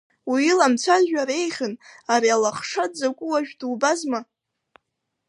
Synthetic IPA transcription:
wiilamt͡sʷʰazᶣaɾe̞jχʲɨnaɾialaχʂadd͡zakʷʼʊwaʒᶣduːbazma

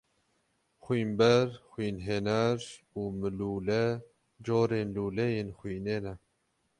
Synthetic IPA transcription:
xwiːmbɛɾxwiːnɦeːnɛɾ | uːmɨluːlɛ | d͡ʒoːɾeːnluːlɛjeːnxʷwiːneːnɛ

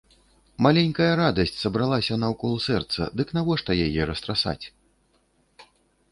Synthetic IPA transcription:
malʲɛnʲkɐjɐɾad̪ɐsʲt͡sʲsɐbɾalˠasʲɐnɐwkɔlˠsɛrt̪sɐ̰d̪ɨknavɔʂt̪ɐjajɛɾɐst̪ɾasa̰t͡sʲ

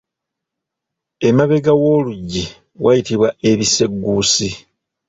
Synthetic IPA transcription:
emaβe̞ɡawo̞ːluɟːi | wʔajitiβwae̞βise̞ɡːuːsi

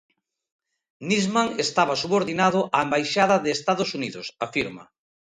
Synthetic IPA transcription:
nizmaŋest̪aβasuβoɾðinaðʊʔaembajʃaðɐðeːst̪aðosuniðʊsafiɾma̰

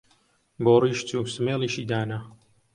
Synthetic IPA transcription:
boːriːʃt͡suːsɨmeːlˠiːʃiːd̪aːnɐ

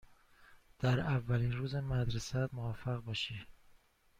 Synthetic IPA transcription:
d̪̥æɾævːæliːnɾuːzemæd̪ɾesæt̪movafæɣbɒːʃi

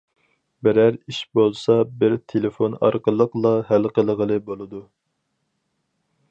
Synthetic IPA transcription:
bɪɾæɾiʃbolˠsɑbɪɾt̪ʰelɪfonɑ̰ɾqəlˠəqlˠɑɦælqəlˠəʁəlˠɨbolˠɨd̪u

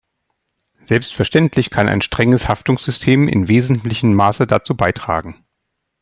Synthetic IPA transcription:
z̥ɛlpstfɛɐʃtɛntʰlɪçkʰanʔa̰ɪnʃtʁ̥ɛŋəshaftʊŋsz̥ʏstʰeːmʔɪ̰nveːzn̩tlɪçəm̩ːaːsədat͡suːbaɪtʁ̥a̰ːɡŋ̩

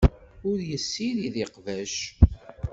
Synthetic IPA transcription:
ʊɾjəsːiɾiðeqvæʃ

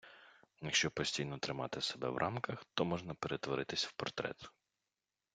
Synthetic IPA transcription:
jɐkʃt͡ʃɔpɔsʲtʲijnɔt̪ɾɪmɑ̰t̪ɪsebɛ̰ʋɾʔɑmkɐxt̪ɔmɔʒnɐpeɾet̪ʋɔɾɪt̪ɪsʲwpɔrt̪ɾɛ̰t̪ʊ̥

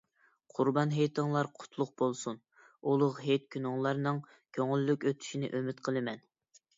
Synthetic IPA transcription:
qʰʊɾbɑnɦejt̪ʰɨŋlˠɑɾqʰʊ̥t̪ʰlˠʊq̚b̥olˠsun | ulˠʊʁɦet̪̚kʲʰynɪŋlˠɑɾnɨŋ | kʲʰøŋylːykʲøt̪ʰy̥ʃinɪ̰ʔømyt̪qʰəlˠɨmɛn

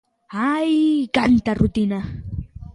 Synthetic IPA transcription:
ajkant̪aɾʊt̪ɪna

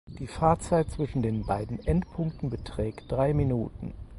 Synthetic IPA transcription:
d̥iːfaːɐt͡saɪt̚t͡sv̥ɪʃn̩deːnbaɪdn̩ʔɛntpʰʊŋk̚tn̩bətʁ̥ɛːkt̚d̥ʁaɪminuːtn̩

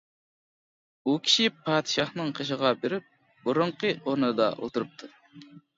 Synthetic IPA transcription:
ukʲʰi̥ʃipʰɑːd̪ɨʃɑχnɨŋqʰəʃ̬əʁɑbeɾɪp̚ | buɾʊɴqəʔoɾnɨd̪ɑ̰ʔo̰t̪uɾup̚t̪ʰu

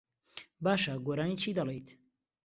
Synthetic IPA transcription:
baːʃaɡoːɾaːniːt͡ʃʰiːd̪ɐlˠejt̪

